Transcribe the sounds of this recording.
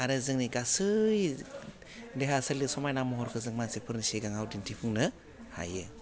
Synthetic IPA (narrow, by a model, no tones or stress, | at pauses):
aɾɯzɯŋniɡasɯj | deɦasɯlisɔmajnamɔɦɔɾkʰɯzɯŋmansepʰɯɾniseɡaŋawdintʰipʰɯŋnɯ | ha̰jɯ